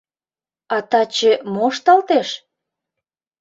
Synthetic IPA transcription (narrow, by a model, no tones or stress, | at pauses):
ɑt̪ɑt͡ɕĕmoʃt̪ɑlt̪eʃ